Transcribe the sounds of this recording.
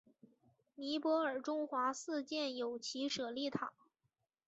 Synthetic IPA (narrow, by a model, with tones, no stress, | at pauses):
ni˧˥pwɔ˧˥ə˞˨˩ʈ͡ʂʊ˥ŋxwa˧˥sɹ̩˥˧t͡ɕjɛ˥˩njo˨˩ʊt͡ɕʰi˧˥ʂɤ˨˩li˥˩t̪ʰɑ˨˩˦ŋ